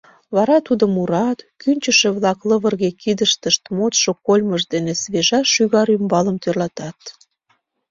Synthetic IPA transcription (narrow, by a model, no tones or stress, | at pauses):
βɑɾɑt̪ud̪əmuɾɑt̪kynʲt͡ɕəʃĕβlɑkləβərɣekid̪əʃt̪əʃt̪mot̪ʃokolʲməʒd̪enesβeʒɑʃyɣɑɾymbɑləmt̪ørlɑt̪ɑt̪